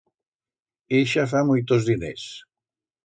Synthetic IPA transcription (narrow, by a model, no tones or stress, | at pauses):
eʃafamujt̪ozðinḛs